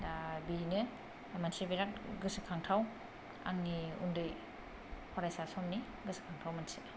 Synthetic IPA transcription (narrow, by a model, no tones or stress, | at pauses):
biɾinɯ | mansebiɾat̚ɡɯsɯkʰaŋtʰaw | a̰ŋniṵndɯj | pʰɔɾajsasɔmni | ɡɯsɯ̥kʰaŋtʰawmansi